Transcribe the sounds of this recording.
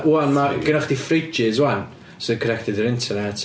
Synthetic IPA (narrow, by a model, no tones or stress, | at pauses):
wanmaɡɪnɔχd̪ifɾid͡ʒɪzwan | soðɪkʰənɛk̚tɪd̪ðəɾɪ̃ntʰənɛt